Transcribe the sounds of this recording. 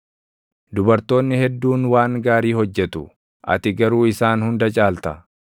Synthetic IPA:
d̪ʊbɐɾt̪o̞ːnːɪhɛd̪ːuːnwaːŋɡaːɾiːhɔd͡ʒːɛt̪ʊ | ʔɐ̰t̪ɪɡɐɾuːɪsaːnhʊnd̪ɐt͡ʃʼaːlt̪ɐ

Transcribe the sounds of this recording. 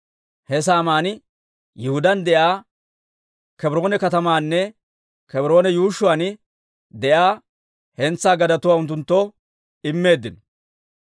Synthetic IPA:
hɛs̬aːmaːnɪ | jɪhʊd̪ɐnd̪ɛʔaː | kɛbɾo̞ːnɛkɐt̪ɐmaːnːɛ | kɛbɾo̞ːnɛjuːʃʊaːnɪ | d̪ɛʔaː | hɛnt͡sːaːɡɐd̪ɐt̪ʊwaːʊnt̪̬ːʊnt̪ːɔ | ɪmːe̞ːd̪ːɪnɔ

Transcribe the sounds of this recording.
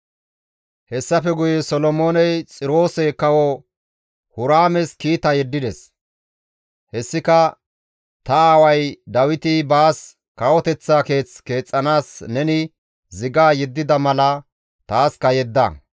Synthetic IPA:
hɛsːɐfɛɡʊjɛsɔlɔmoːnɛjt͡sʼɪɾo̞ːsɛkɐwɔ | hʊɾaːmɛskiːt̪ɐjɛd̪ːɪd̪ɛs | hɛsːɪkɐ | t̪ɐaːwɐjd̪ɐwɪt̪ɪbaːs | kɐwɔt̪ɛt͡sːaːke̞ːt͡ske̞ːt͡sʼːɐnaːsnɛnɪ | zɪɡaːjɛd̪ːɪd̪ɐmɐlɐ | t̪aːskɐjɛd̪ːɐ̰

